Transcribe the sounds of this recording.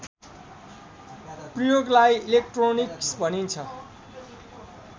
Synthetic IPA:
prijoɡlajilek̚ʈroniksbʱʌnint͡sʰʌ

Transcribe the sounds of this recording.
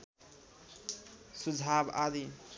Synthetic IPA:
sud͡zʱabad̪i

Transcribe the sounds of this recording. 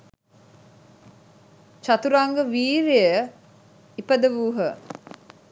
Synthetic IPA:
t͡ʃat̪uɾaŋɡəʋiːɾejə | ipəd̪əʋuːɦə

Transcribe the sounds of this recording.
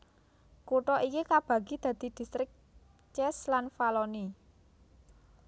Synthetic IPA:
kuʈɔʔikikab̥ä̤ɡ̥i̤d̪̥ä̤d̪̥i̤d̪̥i̤st̪ɾɪk̚ | t͡ʃɛslanfalɔni

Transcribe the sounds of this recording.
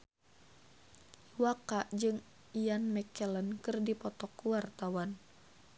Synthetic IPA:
iwakaʔd͡ʒɨŋ | ijanmɛkɛlənkɨrdipɔt̪ɔkuwart̪awan

